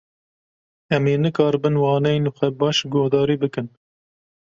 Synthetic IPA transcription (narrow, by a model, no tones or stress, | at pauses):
ɛmeːnɨkɑːɾbɨnwɑːnɛjnɨxʷɛbɑːʃɡoːhd̪ɑːɾiːbɨkɨn